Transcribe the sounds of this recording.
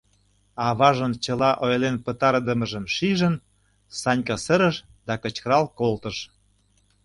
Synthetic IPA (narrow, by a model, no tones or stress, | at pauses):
ɑβɑʒənt͡ɕəlɑʔojlenpət̪ɑɾd̪əməʒə̆mʃiʒən | sɑnʲkɑsəɾə̆ʃ | d̪ɑkə̆t͡ɕkəɾɑlkolt̪ə̆ʃ